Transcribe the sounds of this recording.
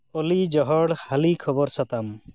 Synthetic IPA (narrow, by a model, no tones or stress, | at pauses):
olid͡ʒɔɦɔɽhalikʰɔbɔɾsat̪am